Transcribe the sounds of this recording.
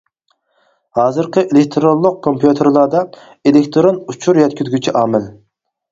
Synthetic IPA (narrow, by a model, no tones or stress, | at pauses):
hɑːzɨɾqəʔelek̚ʲt̪ʰɾonlˠːʊq̚kʰompʰjut̪ʰeɾlˠɑɾd̪ɑ | elekʲt̪ʰɾonut͡ʃʰuɾjɛt̪̚ʲkʲʰyzɡʲyt͡ʃʰiʔɑːmɪl